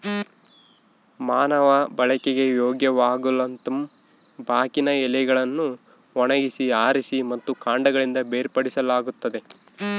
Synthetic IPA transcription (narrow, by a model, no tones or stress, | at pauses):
maːnɐʋɐbɐɭɐkeɡe̞joːɡjɐʋaːɡulɐnt̪ɐm | bʱaːkinɐɛlɛɡɐɭɐnːu | ɔɳɐɡisiaːɾisimɐt̪ːukaːɳɖɐɡɐɭind̪ɐbeːɾpɐɽisɐlaːɡut̪ːɐd̪e̞